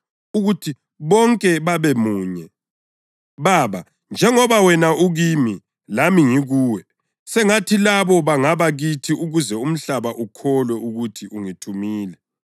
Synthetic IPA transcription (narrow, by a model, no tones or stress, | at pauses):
uɣutʰi | βɔŋkʼɛβaβɛmuːɲɛ | βaːβa | nd͡ʒʱɛŋɔβawɛnaʔuɣimi | lamiŋiɣuːwɛ | sɛŋatʰilaβɔβaŋaβaɣitʰiuɣuzɛum̩ɬaβaʔukʰɔlwɛʔuɣutʰiʔuŋitʰumiːlɛ